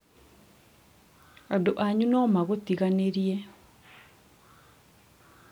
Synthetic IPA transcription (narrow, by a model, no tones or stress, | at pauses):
adoʔaɲunɔmaɣotiɣaneɾiɛ